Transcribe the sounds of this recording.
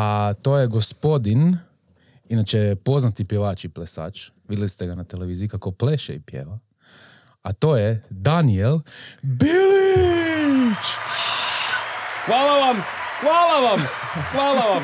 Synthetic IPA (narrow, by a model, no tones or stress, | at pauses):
at̪o̞jeɡospo̞d̪in | inat͡ʃepo̞znat̪ipjeʋaːt͡ʃiplesa̰ːt͡ʃʋid̪jʲelist̪eɡanat̪eleʋiːziikakopleʃeipjḛʋa | at̪o̞ːjed̪anielbilii | t͡ʃ | xʋaːlaʋamxʋaːlaʋamxʋaːlaʋam